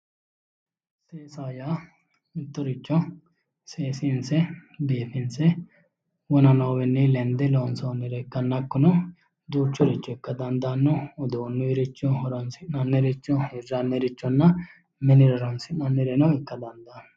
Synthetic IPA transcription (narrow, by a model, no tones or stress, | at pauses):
seːsaːjaː | mɪt̪ːɔɾɪt͡ʃːɔ | seːsɪnsɛbeːfɪnsɛ | wɔnɐnoːwɪnːɪlɛnd̪ɛloːnsonːɪɾɛkːɐnːɐkːʊnɔ | d̪uːt͡ʃːɔɾɪt͡ʃːɔɪkːɐd̪ɐnd̪anːɔːd̪oːnːʊɪɾɪt͡ʃːɔhɔɾɔnsɪnːɐnːɛɾɪt͡ʃːɔɪrːanːɪɾɪt͡ʃːɔnːɐ | mɛnɪɾɔɾɔnsɪnːɐnːɪɾɛnɔɪkːɐd̪ɐnd̪aːn